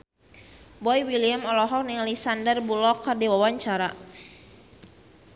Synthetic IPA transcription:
bɔjwiliamɔlɔɦɔk̚niŋalisandərbulɔkardiwawaɲt͡ʃaɾa

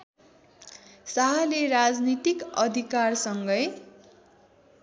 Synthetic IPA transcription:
saɦaleɾad͡znit̪ikʌd̪ʱikarsʌŋɡʌj

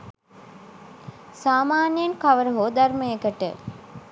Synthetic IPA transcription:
saːmaːnijenkaʋəɾəɦoːd̪ɐrməjekəʈə̰

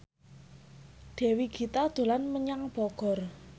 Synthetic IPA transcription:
ɖ̪̥ɛ̤wiɡ̥i̤t̪ad̪̥o̤lanməɲaŋb̥ɔɡ̥ɔ̤r

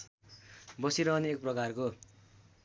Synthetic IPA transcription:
bʌsiɾʌɦʌneek̚prʌkarko

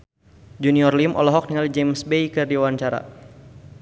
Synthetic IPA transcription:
d͡ʒuniɔrlimʔɔ̰lɔɦɔk̚niŋalid͡ʒemsbejkɨrdiwaɲt͡ʃaɾa̰

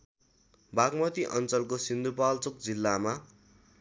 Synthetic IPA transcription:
bakmʌt̪iʔʌnt͡sʌlkosind̪upalt͡sok̚d͡zilːama

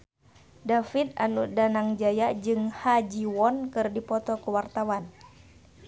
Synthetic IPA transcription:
dafit̪̚anudanaŋd͡ʒajad͡ʒɨŋhad͡ʒiwɔnkɨrdipɔt̪ɔkuwart̪awan

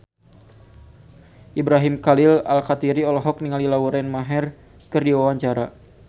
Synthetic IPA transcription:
ʔibɾaɦimkalɪla̰lkat̪iɾiɔlɔɦɔk̚niŋalilawuɾɛnmaɦɛr | kɨrdiwawaɲt͡ʃaɾa

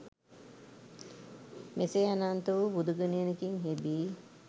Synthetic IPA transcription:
meseanaːnt̪uʋubud̪uɡɐnejnekiŋɦebiː

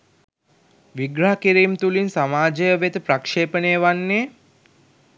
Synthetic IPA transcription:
ʋiɡɾəɦakiɾiːmt̪ulinsamaːd͡ʒəjəʋet̪əpɾakʂeːpəneːʋanːeː

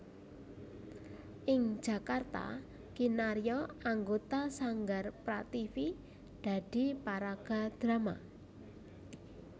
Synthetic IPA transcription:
ʔɪŋ̥ʒ̥ä̤kart̪a̰ | kinaɾijɔaŋɡot̪asaŋɡarpɾat̪ifi | d̪̥a̤d̪̥i̤paɾaɡ̥a̤d̪̥ɾama

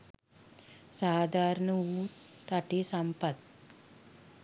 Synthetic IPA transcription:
saːd̪ʱaːɾɐɳɐuːʈɐʈisɐmpɐt̪̚

